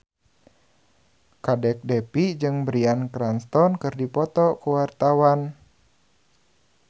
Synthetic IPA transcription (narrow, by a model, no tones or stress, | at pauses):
kadɛk̚dɛpid͡ʒɨŋbɾiankɾanst̪ɔnkɨrdipɔt̪ɔkuwart̪awan